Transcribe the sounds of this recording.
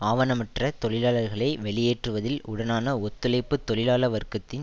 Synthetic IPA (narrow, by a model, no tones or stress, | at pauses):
aːʋɐnɐmɪʈrɐt̪ɔɭɪlaːlɐɾɣɐɭɐɪʋɛɭɪjeːʈrɯʋɐðɪlʔʊɽɐnaːnɐɔt̪ːɯlɐɪpːɯt̪ːɔɭɪlaːlɐʋɐɾkɐt̪ːɪn